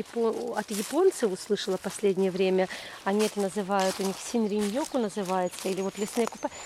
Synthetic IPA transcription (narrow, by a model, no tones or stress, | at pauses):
ɪpoɐt̪jɪpo̞nt̪sɨʊslˠɨʂəlˠəpɐsʲlʲedʲnʲɪjəvɾʲemʲəɐnʲiɛt̪ənəzɨvajʊt̪ʊnʲixsʲɪnɾʲɪnʲjokʊnəzɨvajɪt̪səilʲɪvo̞t̪lʲɪsnɨjəkʊpa